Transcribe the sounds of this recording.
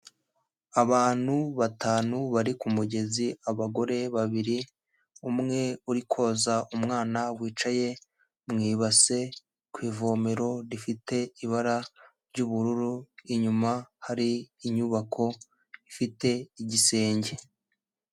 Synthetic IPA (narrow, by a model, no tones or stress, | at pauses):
aβaːn̥huβataːnuβaɾikumuɟe̞ziaβaɡo̞ɾe̞βaβiɾi | umŋe̞uɾikʰo̞ːzaʔumŋaːnawiːt͡ʃaje̞ | mŋiːβase̞ | kwiːvo̞meɾo̞ɾifite̞iβaɾaɾɟuβuɾuɾuiɲumahaɾiːɲuβakʰo̞ | ifite̞iɟise̞ːɲɟe̞